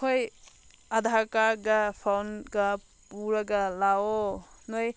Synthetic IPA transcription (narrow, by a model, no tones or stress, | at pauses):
oj | ɐdʱakaɡapʰawnɡɐ | puɾɐɡɐlawɔnoj